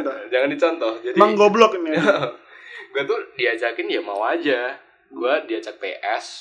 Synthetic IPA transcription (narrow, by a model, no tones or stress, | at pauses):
d͡ʒaŋandit͡ʃɔnt̪ɔhd͡ʒadiaŋŋɡɔblɔkin | ɡuat̪udiat͡ʃakɪnjamawad͡ʒa | ɡuadiat͡ʃak̚pḛʔɛs